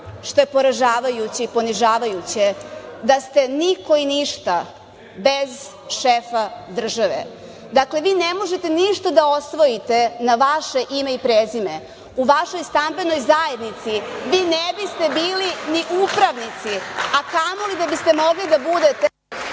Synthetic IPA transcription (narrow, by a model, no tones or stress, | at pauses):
ʃt̪o̞jepo̞ɾaʒaːʋajut͡ɕiipo̞niʒaːʋajut͡ɕed̪ast̪e̞niko̞iniʃt̪a | be̞z | ʃefad̪r̩ʒaʋḛ | d̪akle̞ʋiːnemo̞ʒet̪e̞niʃt̪ad̪ao̞sʋo̞jit̪e̞naʋaʃe̞ʔime̞ipɾeːzime̞ | uʋaʃo̞jst̪ambe̞no̞jzaje̞d̪nit̪siʋiːnebist̪e̞biːliniʔupɾaʋnit̪siakamolid̪abist̪e̞mo̞ɡlid̪abud̪e̞t̪e